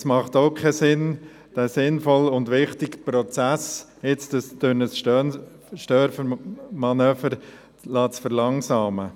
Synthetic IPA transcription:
smɑχtoʊkʰɛsɪn | d̥æːsɪnfɔlʊndʋɪχtɪkpɾɔt͡sæs | ɪt͡stəsd̥ønəsʃtœn | ʃtœːɾfəmɑnœːfəɾ | lɑːtt͡sfəɾlɑŋsɑːmə

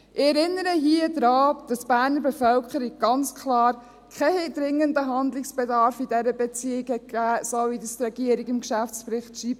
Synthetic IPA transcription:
ʔɪɛɾɪnːəɾəɦiəd̪ɾɑːd̥ɑsb̥æːɾnəɾbefœlkəɾiɡ̚ɡɑnt͡skʰlɑːɾ | kʰɛhed̪ɾɪŋːəndəɦɑnd̪lɪksb̥ɛdɑɾfidɛɾəbɛt͡siɪɡhɛt̚kæːsovidəst̪ɾɛɡiəɾiɡɪmʃæft͡spɾɪχtʃiːb

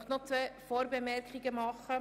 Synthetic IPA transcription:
χnɔt͡sʋɛːfoːɾbɛmɛrkχiɡəmɑχə

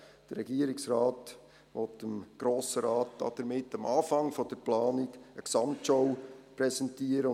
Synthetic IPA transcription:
d̥ərɾɛɡiəɾɪksɾɑːt | ʋɔtəmɡ̥ɾoːsəɾɑːt̚d̥ɑ̰d̥əɾmɪtːɑmʔɑːfɑŋfɔd̥əɾplɑːnɪɡəksɑmtʃɔwpɾɛsɛntiːəɾə

